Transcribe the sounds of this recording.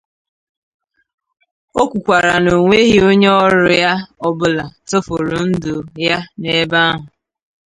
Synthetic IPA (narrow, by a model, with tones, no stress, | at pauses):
o˦kʷu˨kʷa˨ɾa˨no˨ŋʷe˦ɦi˦o˦ɲe˦ɔ˦ɾʊ˨ja˦ɔ˨bʊ˨la˨to˦fo˨ɾo˨n̩˦do˨ja˦ne˦ba˦ɦʊ˨